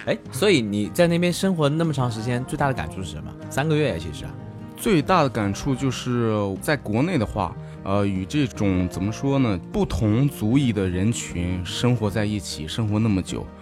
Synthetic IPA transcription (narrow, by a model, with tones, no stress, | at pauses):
e˥˩ɪswɔ˧˥i˧˥ni˨˩t͡sa˥˧ɪna˥˩pjɛ˥nʂɤ˥ŋxwɔ˧˥˧na˥˩mə˩ʈ͡ʂʰɑ˧˥ŋʂ̬ɻ̩˧˥t͡ɕjɛ˥nt͡swe˥˧ɪa˥˩ə˧ka̰˨˩nʈ͡ʂʰu˥˧ʂɻ̩˥˩ʂə̰˧˥˦mə̰˧sa˥nɡə˧ɥɛ˥˩jɛ̰˧˥t͡ɕʰi˥˧˩ʂɻ̩̰˧˥˩ | t͡swe˥˧ɪt̪a˥˩d̪ə˩ka˨˩nʈ͡ʂʰu˥˧t͡ɕjo˥˧ʊʂɻ̩˥˩t͡sa˥˩ɪkwɔ˧˥ne˥˩ɪd̪ə˩xwa̰˥˩ | ə˧y˨˩ʈ͡ʂɤ˥˩ʈ͡ʂʊ˨˩ŋt͡sə˨˩mə˦ʂwɔ˥nə˨pu˥˩t̪ʰʊ˧˥ŋt͡su˧˥i˥˩d̪ə˩ɻə˧˥nt͡ɕʰy˧˥nʂɤ˥ŋxwɔ˧˥t͡sa˥˧ɪi˥˩t͡ɕʰi˨˩ʂɤ˥ŋxwɔ˧˥na˥˩mə˩t͡ɕjo̰˨˩˦ʊ